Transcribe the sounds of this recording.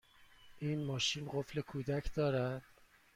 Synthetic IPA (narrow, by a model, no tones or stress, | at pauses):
ʔiːnmɒːʃiːnɢofle̞kʰuːd̪æcʰd̪ɒːɾæd̪̥